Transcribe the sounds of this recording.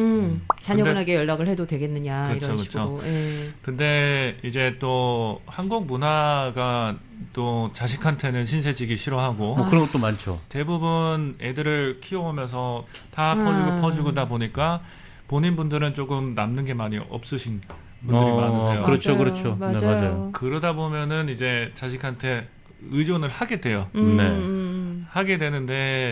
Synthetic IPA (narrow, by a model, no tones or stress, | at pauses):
ɯt͡ɕaɲʌaɡejʌɭːaɡɯɭhe̞dodwe̞ɡe̞nːɯɲakɯʌiɾʰokɯt͡ɕʰojekɯnde̞id͡ʑe̞t͈ohanɡuŋmunɦaɡa | t͈ot͡ɕaɕ̬ʰikʰantʰe̞nɯnɕʰinsʰe̞d͡ʑiɡiɕʰiɾoɦaɡomokɯɾʌŋɡʌt͈omant͡ɕʰote̞bubune̞dɯɾɯɭkʰiʌomjʌns̬ʰʌ | tapʰʌd͡ʑiɡopʰʌd͡ʑiɡodaboɲik͈a | poɲinbundɯɾɯnt͡ɕ͈oɡɯmnamnɯnɡe̞maɲiʔʌ̰p̚s͈ɯɕʰin | bunddɯɾimanɯsʰejokɯɾʌt͡ɕʰokɯɾʌt͡ɕʰoad͡ʑajokɯɾʌdabomjʌnɯnid͡ʑe̞t͡ɕaɕ̬ʰikʰantʰe̞ | ɯd͡ʑonɯɭhaɡe̞dwe̞jone | haɡe̞dwe̞nɯnde̞